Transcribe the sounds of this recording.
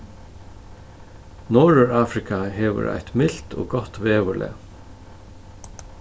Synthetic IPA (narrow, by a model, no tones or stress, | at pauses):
nɔːɹʏɹaːfɾɪkʰaɦɛːʋʏ̰ɾa̰jt̪mɪl̥t̪o̰ːɡɔht̪veːʋʏlɛ̰